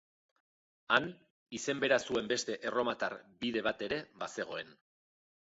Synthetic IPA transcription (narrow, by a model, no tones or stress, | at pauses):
an | ise̞mbe̞ɾasue̞mbe̞st̪e̞ʔero̞mat̪aɾbiðe̞β̞at̪e̞ɾe̞base̞ɣ̞o̞e̞n